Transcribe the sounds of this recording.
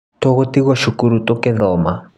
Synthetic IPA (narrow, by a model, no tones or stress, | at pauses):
tɔɣutiɣɔʃukuɾutɔkɛðɔːma